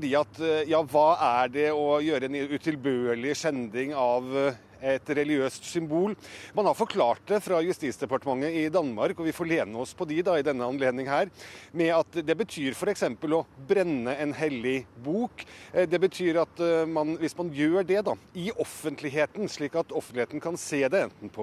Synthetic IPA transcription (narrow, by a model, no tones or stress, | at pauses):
fɖiːɑt̪jɑːʋɑːæɖɛɔjøːɾəɛnʉt̪ʰɪlbøːɭɪʂɛnd̪ɪŋɑʋ | ɛt̪ɾɛlɪɡɪøːst̪sʏmbuːlmɑnhɑɾfɔɾkʰlɑːʈ̚d̪ɛfɾɑjʉst̪iːt̪sd̪ɛpɑʈəmɑŋːəɪd̪ɑnːmɑɾkɔʋɪfoːɭeːnəɔspʰɔd̪ɪd̪ɑɪd̪ɛnːəɑnleːd̪nɪŋɦæːɾmɛɑt̪d̪ɛbət̪ʰyːɾfɔɾɛksɛmpəlɔbɾɛnːəɛnɦɛlːɪbuːkd̪ɛbət̪ʰyːɾɑt̪mɑnʋɪsmɑnjøːɖɛd̪ɑɪɔfənt̪ʰlɪɦeːt̪n̩ʂɭiːkɑt̪ɔfənlɪheːt̪n̩kʰɑnseːd̪ɛɛnt̪n̩pʰɔ